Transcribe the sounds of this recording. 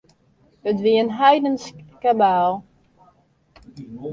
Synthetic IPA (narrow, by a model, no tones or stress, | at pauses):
ətʋiənɦajdənskabaːlˠ